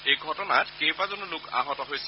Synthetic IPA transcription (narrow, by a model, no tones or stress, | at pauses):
ejɡʱɔtɔnatkejbazɔnɔlʊka̰ɦɔtɔɦojs